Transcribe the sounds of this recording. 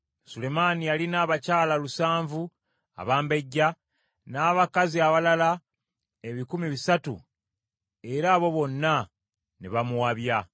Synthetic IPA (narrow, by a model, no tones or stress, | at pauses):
sule̞manijalinaːβacaːlalusaːɱvu | a̰βaːmbe̞ɟːa | naːβakaziaβalala | e̞βikumiβisatṵ | e̞ɾaːβo̞βo̞nːa | neβamuwaβja